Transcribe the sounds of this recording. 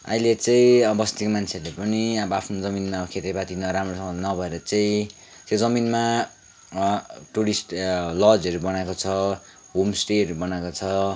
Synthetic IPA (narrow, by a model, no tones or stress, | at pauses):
ʌ̰ilet͡sʌĩʌbʌst̪ikomant͡sʰeʌlepʌniabʌapʰnod͡zʌminmakʰet̪ebat̪inʌɾamrosʌʌnʌbʱʌeɾʌt͡saĩ | t͡sẽd͡zʌminma | ʈuɾisʈlʌd͡zʌɾubʌnakot͡sʰʌ | ɦomsʈeʌɾubʌnakot͡sʰʌ